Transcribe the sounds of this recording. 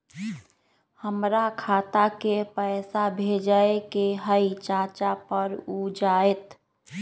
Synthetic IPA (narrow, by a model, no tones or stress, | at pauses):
həmɾakʰaːt̪akepəsabʱed͡ʒaekeɦəit͡ʃaːt͡ʃapəɾud͡ʒaːet̪